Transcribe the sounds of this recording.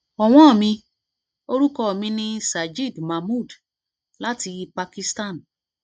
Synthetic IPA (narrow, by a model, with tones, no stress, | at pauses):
ɔ˨w̃ɔ̃˦ɔ˦˨mĩ˧ | o˦ɾu˦kɔ˦˨mĩ˧nĩ˧sa˨d͡ʒi˦˨dma˨mu˦˨d | la˦ti˧pa˧ki˧sta˦˨n